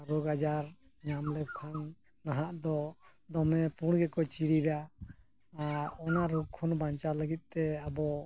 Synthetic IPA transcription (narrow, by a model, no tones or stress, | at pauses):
ɾɔɡad͡ʒaɾ | ɲamlɛkʰanː | aɦaʔd̪ɔd̪ɔmɛpuɽɡɛkɔt͡ʃiɽiɾa | aɾɔnaʔɾɔɡ̚kʰɔnbaɲt͡ʃaləɡit̪̚ˀt̪ɛabɔ